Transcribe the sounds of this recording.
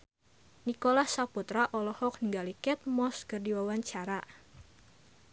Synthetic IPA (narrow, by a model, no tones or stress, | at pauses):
nikolahsaput̪ɾaʔɔlɔhɔk̚niŋɡalikɛt̪̚mɔskərdiwawaɲt͡ʃaɾa